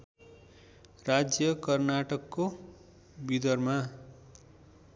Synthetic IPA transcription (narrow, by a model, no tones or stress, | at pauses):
rad͡zjʌkʌrnaʈʌkːo | bid̪ʌrma